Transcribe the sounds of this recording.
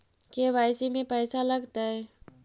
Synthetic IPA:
keʋaːɪsimẽpɛːsalɐɡt̪aɦɛː

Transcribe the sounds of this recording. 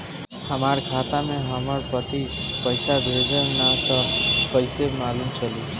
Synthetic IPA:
həmaɾkʰat̪amẽɦəməɾpət̪ipəɪsab̪ʱed͡ʒənnat̪ɔpəɪsemalumt͡ʃʰəli

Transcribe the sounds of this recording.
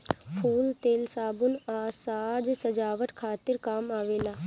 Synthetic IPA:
pʰuːlt̪eːlsaːbʊnaːsaːd͡ʒsəd͡ʒaːʋət̪kʰaːt̪ɪɾkaːmaːʋeːlaː

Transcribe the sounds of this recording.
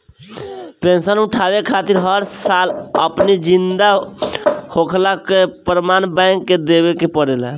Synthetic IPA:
pensənuʈʰaʋekʰat̪iɾɦəɾsalə̰pnid͡ʒind̪a | hokʰlakepɾmanbãɪŋkːed̪ebekepəɽelə

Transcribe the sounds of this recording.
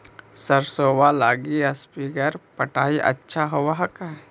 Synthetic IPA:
səɾsoːwalaːɡiɐspikəɾpəʈaːiʔɐ̰tːʃʰaɦowaɦəkɦɛ

